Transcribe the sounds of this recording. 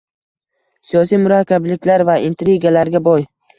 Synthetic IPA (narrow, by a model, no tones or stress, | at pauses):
sijɒsijmʊɾakʲʰːablɪkʲlaɾvaɪnt̪ɾiɡalaɾɡʲabɒj